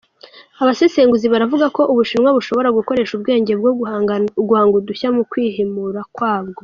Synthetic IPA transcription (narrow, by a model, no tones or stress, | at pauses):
aβaseseːŋɡuziβaɾavuɡako̞ʔuβuʃinŋwaβuʃo̞βo̞ɾaɡuko̞ɾe̞ʃubɡe̞ːɲɟeb̚ɡoɡuhaːŋɡuduçamukwiːɦimuɾakwaːb̚ɡo̞